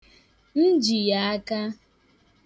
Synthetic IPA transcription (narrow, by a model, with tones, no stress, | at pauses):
n̩˦d͡ʒi˨ja˨a˦ka˦